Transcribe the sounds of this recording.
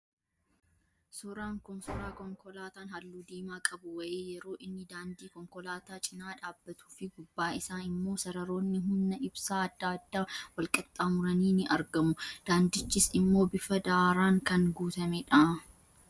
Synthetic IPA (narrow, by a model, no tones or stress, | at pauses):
suːɾaːŋkʊnsʊɾaːkɔŋkɔlaːt̪aːnhɐlːuːd̪iːmaːkʼɐbʊwɐʔeːjɛɾo̞ːʔɪnːɪd̪aːnd̪iːkɔŋkɔlaːt̪aːt͡ʃʼɪnaːᶑaːbːɐt̪ʰu̥ːfɪɡʊbːaːɪsaːnɪmːo̞ːsɐɾɐɾo̞ːnːɪɦʊnːɐɪbsaːɐd̪ːaːɐd̪ːaːwɐlkʼɐt̪ʼːaːmʊɾɐniːnɪʔɐɾɡɐmʊd̪̥aːnd̪ɪt͡ʃːɪsɪmːo̞ːbɪfɐd̪aːɾaːŋkɐŋɡuːt̪ɐmɛᶑa